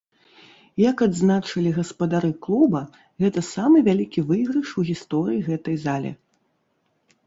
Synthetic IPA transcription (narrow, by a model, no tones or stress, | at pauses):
jɐkad̪znat͡ʂɐlʲiɣɐspɐd̪aɾɨklˠubɐ | ɣɛt̪ɐsamɨvʲalʲikʲivɨɣɾɐʂuɣʲist̪ɔɾɨjiɣɛt̪ɐjzalʲɛ̰